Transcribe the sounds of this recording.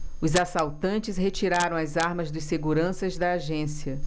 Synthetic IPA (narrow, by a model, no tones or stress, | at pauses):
ʊzasawt̪ɐ̃nt͡ʃɪshet͡ʃiɾaɾɐ̃w̃ɐzaɾmɐzd̪ʊsseɡuɾɐ̃sɐzd̪ɐːʒẽsiɐ